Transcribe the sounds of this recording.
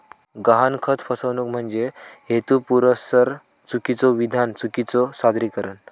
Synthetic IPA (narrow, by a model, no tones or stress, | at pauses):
ɡəɦankʰət̪ʰfəsəʋnuk̚m̤əɳd͡zeɦet̪upuɾəsəɾ | t͡sukit͡sɔʋid̪ʱant͡sukit͡sɔsad̪ɾikəɾən